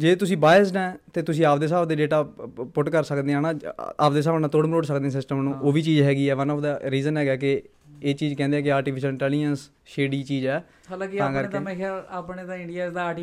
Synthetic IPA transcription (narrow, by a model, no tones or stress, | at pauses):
d͡ʒeːt̪ʊsĩːbaːɪəsnɛːt̪eːt̪ʊsĩːaːpd̪eːsaːbd̪eːɖeːʈaːpʊʈkəɾsəkd̪eːãːnãːa̰ːpd̪eːs̬aːbnaːt̪oːɽməloːɖsəkd̪eːãsɪsʈəmnũːʔoːʋiːt͡ʃiːd͡ʒɦɛːɡiːɛːʋənɔːfd̪aːɾiːzənɦɛːɡaːkɪ | eːt͡ʃiːd͡ʒkɛ̃ːnd̪eɛ̃ːkɪaːɾʈiːpʰɪʃəlɪ̃ɳʈɛːlɪd͡ʒəns | ʃeːɖiːt͡ʃiːd͡ʒɛː | ɦaːlãːkiãːkəɾtk̪emẽːkʰaːɾapneːt̪ãːɪɳɖijaːd̪aːʈː